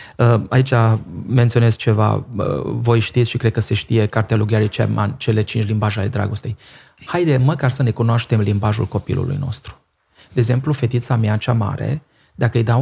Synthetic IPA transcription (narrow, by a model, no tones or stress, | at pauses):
əait͡ʃame̞nt̪sio̞ne̞sk̚t͡ʃe̞va̰ə̰vo̞jʃt̪it̪sʃikɾed̪̚kəse̞ʃt̪ije̞kart̪ealuɡaɾit͡ʃḛma̰nt͡ʃe̞le̞t͡ʃint͡ʃlimbaʒaled̪ɾa̰ɡo̞st̪e̞j | hajd̪eməkarsəne̞kunoaʃt̪e̞mlimbaʒṵlko̞pḭlṵlṵjno̞̰st̪ɾu̥ | d̪̥eeɡze̞mplufe̞t̪it̪samjat͡ʃama̰ɾe̞̰ | d̪akəɨjd̪a